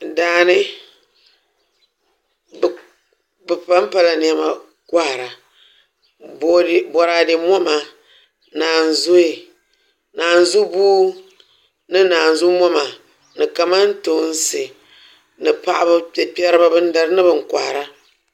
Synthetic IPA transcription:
daː˨˦nɨ˦˨ | bɨ˨pa˦m˦pa˦la˨n˨ɛ˦ma˨ | kʷa˦˨ɾa˨ | bbɔ˨ɾaː˨dɪ˨mɔ˦ma˨ | naː˨n˨zo˦i˨ | naː˨n˨˦zu˦buː˦ | nɨ˦naː˨n̩˨zu˦mɔ˦ma˨ | nɨ˨ka˨ma˦n˦to˨˦n̩˦sɨ˨ | nɨ˨pa̰˦ʔa̰˦ba˦˨pɛ˦ɾɨ˦ba˦bɨ˦n̩˦da˦ɾɨ˦nɨ˦bɨ˨ŋ̩˨kʷa˨ɾa˦

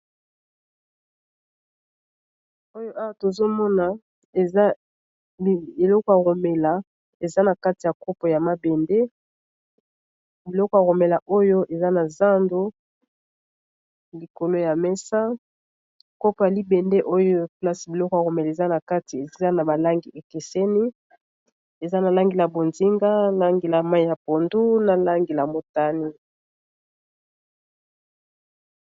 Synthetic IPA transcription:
o˦jo˦ʔa˦wa˦˨to˨zo˦mɔ˦na˨ | e˨a˦˨ | e˨lɔ˦kɔ˦˨ja˨ɣo˨me˨la˨ | e˨za˦na˨ka˦ti˨ja˨ko˦po˨ja˨ma˦be˨nde˦ | bi˨lɔ˦kɔ˦ja˨ɣo˨me˨la˨ʔo˦jo˦ʔe˨za˦na˨za˦ndo˦ | li˨ko˨lo˦ja˨mɛ˦sa˦ | ko˦pa˨li˦bɛ˨nde˦ʔo˦jo˦pla˦si˨bi˨lɔ˦kɔ˦a˨ɣo˨mɛ˨le˨za˦na˨ka˦ti˨e˨˦a˦na˨ba˨la˦ŋɡi˨ʔe˨ke˨sɛ˦ni˦ | e˨za˦na˨la˦ŋɡe˨la˨bo˨nzi˦ŋɡa˦la˦ŋɡe˨la˨ma˦i˦˨ja˨po˨ndu˦na˨la˦ŋɡe˨la˨mo˨ta˦ni˦

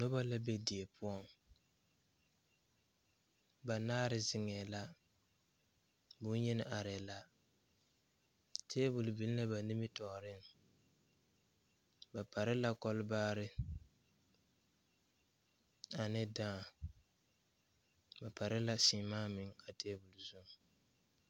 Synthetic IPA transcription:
nʊ˦ba˦la˦be˦di˨e˨pʰʊ˦ɔ˦˨ŋ | ba˨naː˦ɾɪ˨zɪ˨ŋɛː˨la˦ | bʊ˦n˦ɲɛ˦nɪ˦ʔa˨ɾɛ˨la˦ | tʰeː˦bʊ˨lʊ˨bi˨˦lla˦ba˨nɪ˦mɪ˦tɔ˨ɾɪ˦˨ŋ | ba˨pa˨ɾɪ˦la˦kɔ˦lbaː˦ɾɪ˦ | a˨nɪ˦daː˦˨ | ba˨pa˨ɾɪ˦la˦siː˨maː˦mɪ˨ŋa˨tʰeː˦bu˨lzʊ˦ŋ˨

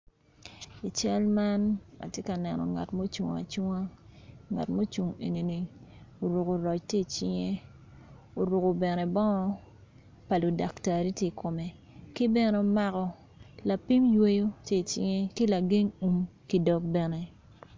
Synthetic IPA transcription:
i˨t͡ʃɛ˦lma˦na̰˨tje˦ka˨nɛ˨nɔ̰˨ŋa̰˨tmo˦t͡ʃu˨ŋa̰˨t͡ʃu˦ŋa˦ŋa̰˨tmo˦t͡ʃu˨ŋe˨ne˨ni˨o˨ɾu˨ko˨ɾɔ˨t͡ʃte˦˨t͡ʃi˦ŋe˦ | o˨ɾu˨ko˨bɛ˨ne˨bɔ˦ŋɔ˦ | pa˨lo˨da˨kta˨ɾi˦ti˦kʰo˨mɛ˨ | kɪ˦bɛ˦nɛ˨˦o˨ma˦kɔ˦ | la˨pi˦mjwe˦jo˦te˦˨t͡ʃḭ˦ŋe˦kɪ˦la˨ɡe˦ŋu˨mki˦dɔ˨k̚bɛ˨ne˨

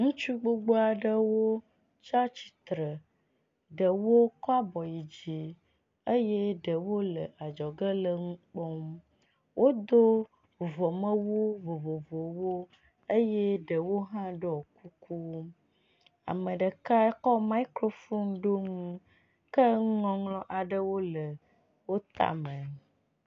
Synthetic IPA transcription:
ŋũ˦t͡ʃu˦ɡ͡bo˦ɡ͡bo˦a˨ɖə˦wo˦ | t͡ʃa˦t͡ɕi̥˨t̪ɾə˨ | ɖə˨wo˦kɔ˦a˦bɔ˨ji˨d͡ʑi˨ | ə˦jɛ˦ɖə˨wo˦lə˨ʔa˨d͡ʒɔ˨ɡə˦lə˨ŋũ˦k͡pɔ˦m | wʔo˦d̪o˦ | vɔ˨mə̃˦wo˦vo˨vo˨vo˨wo˦ | ə˦jɛ˦ɖə˨wo˦ɦã˦ɖə˦ɔ˨ku˦ku˦ | a̰˨mə̃˨ɖə˨ka˦ɛ˦kɔ˦ma˦i˦kɾo˦fo˦nɖo˦ŋũ˦ | kə˦ŋ˦ŋɔ̃˦ŋlɔ̃˦ʔa˨ɖə˦wo˦lə˨ | wo˦t̪a̰˨mə̃˨

